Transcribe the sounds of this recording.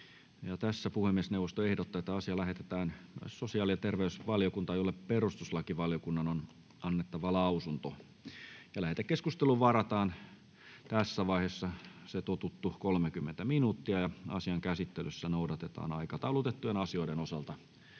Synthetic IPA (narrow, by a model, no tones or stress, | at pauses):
jɑt̪æsːæpuhemːiesneuwʋːˑost̪oehdot̪ːɑet̪ːæɑsiɑlæhet̪et̪æːnmø̰ssosiɑːliɑt̪erʋeysʋɑljokunt̪ɑjolːepperust̪uslɑkiʋɑljokunːɑnon | ɑnːet̪ːɑʋɑlɑusunt̪o | jɑlæhet̪ækeskust̪eluʋʋɑrɑt̪ɑːn | t̪æsːæʋɑihesːɑset̪ot̪ut̪ːukolmekymːent̪æminuːt̪ːiɑjɑɑ̰siɑŋkæsit̪ːelysːænoudɑt̪et̪ɑ̰ːnɑikɑt̪ɑulut̪et̪ːujenɑsio̞iɾenosɑlt̪ɑ